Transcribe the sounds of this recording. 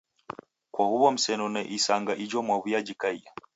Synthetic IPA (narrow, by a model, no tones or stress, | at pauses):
kwahuβɔm̩sɛnɔnɛʔisaŋɡaʔid͡ʒɔmwaβujad͡ʒikaia